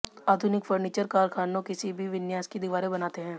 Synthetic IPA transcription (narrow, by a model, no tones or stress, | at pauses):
aːd̪ʱʊnɪkfʰəɾniːt͡ʃəɾkaːɾkʰaːnõkɪsibʱiʋɪnjaːskid̪ɪʋaːɾebɐnaːt̪eɦɛ̃ː